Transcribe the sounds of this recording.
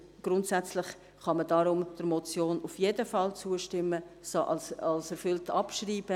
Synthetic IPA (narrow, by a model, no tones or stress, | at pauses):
ɡ̥ɾʊntsæt͡slɪχ | χɑmədɑɾʊmd̥əɾmɔt͡sjoːnufjedəfɑlt͡suːəʃtɪmːəsoʔɑlsɛɾfʏltɑpʃriːb̥ə